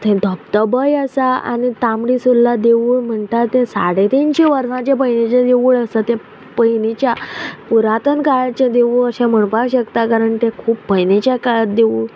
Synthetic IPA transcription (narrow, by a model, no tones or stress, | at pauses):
t̪ʰɛ̃d̪ʱəpt̪əbəjəsaa̰nit̪ãmɽisulːad̪eʋuːɭm̤əɳt̪aɾt̪ɛ̃sa̰ɽet̪inɕẽʋəɾʂãt͡ɕepəjnet͡ɕad̪eʋuɭəsat̪ẽ | pəjnit͡ɕjapuɾat̪ənkaɭat͡ɕẽd̪eʋuɭəɕẽm̤əɳpakɕəkt̪akaɾəɳt̪ɛ̃kʰuːpːəjnet͡ɕjakaɭət̪d̪eʋuːɭ